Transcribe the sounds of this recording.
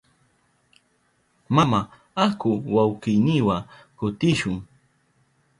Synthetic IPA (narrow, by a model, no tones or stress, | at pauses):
mama | akʊwawkɪjnɪwa | kʊt̪ɪʃʊŋ